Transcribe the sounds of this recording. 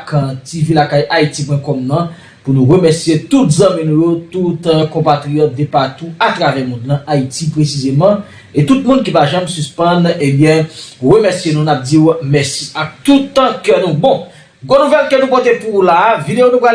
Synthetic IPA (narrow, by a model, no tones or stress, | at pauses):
kãtivilakajʔaitip̬wɛ̃kɔmnɐ̃ | punũʁəmɛsijet̪ut̪zɐ̃mĩnũjot̪ut̪kɔ̃pat̪ʁijɔt̪̚d̪epat̪uat̪ʁavɛmũd̪lãʔaitipʁesizemɑ̃ | et̪ut̪̚mũnk̬ipaʒãmsyspʌ̃nebjɛ̃ʁəmɛsijenũnap̚diwmɛsiak̚t̪ut̪kœnũbɔ̃ | ɡonuvɛlkønũp̬ot̪epulavid̪ejonũpɣa